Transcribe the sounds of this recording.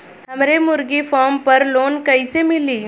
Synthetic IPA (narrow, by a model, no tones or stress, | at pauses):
həmɾemʊɾɡifɔːɾmpəɾloːnkəisemɪliː